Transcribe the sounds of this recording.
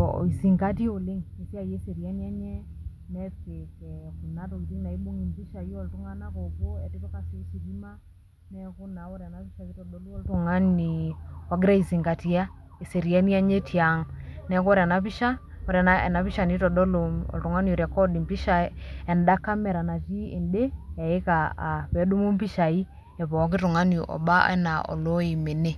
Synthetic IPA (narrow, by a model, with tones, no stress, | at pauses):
i˨si˨ŋɡa˦ti˦o˨le˦ŋe˨ta˦˨jɛ˦se˨ɾi˨a˦n˦ɛ˦ɲɛ˦ | nɛ˦pe˨kɛ˨ku˨na˦tɔ˨i˨zi˦ŋna˨i˦ɓo˦ŋi˨mpi˦ʃa˨jɔ˨ltu˦ŋa˦na˦ko˨βo˦ɛ˨ti˦pɛ˦ka˦si˨˦si˨ɾi˦ma˦ | nɛ˦ku˦na˨wɔ˦ɾja˨na˦pi˦ʃa˨i˦tɔ˨ɗɔ˨˦lu˦ɔ˦lto˨ŋa˦ni˨wa˦ɡɪ˦ɾa˦i˨si˨ŋɡa˨ti˦a˦ | e˨se˨ɾi˨a˦ni˦a˦ɲe˦tʰi˨a˨ŋnɛ˦kɾa˨na˨˦pi˦ʃa˦ | ɔ˦ɾa˨na˦ɛ̰˨na˨pi˦ʃa˨ni˦tɔ˨dɔ˦loɔ̰˨ltu˨ŋa˦niɔ˨ɾja˨kɔ˦di˨mpi˦ʃa˦ɛ˨nda˦kːa˦mɛ˨ɾa˨na˨t͡ʃi˦ḛ˨nde˦ja˨e˦ka˨a˨pɛ˨˦du˦mu˦mpi˦ʃa˨i˦ | ɛ˨βɔ˨˦k̬i˦tu˨ŋa˦ni˨ʔɔ̰˨ba˦a̰˦na˨ʔɔ̰˨lo˦i˨me˨ne˦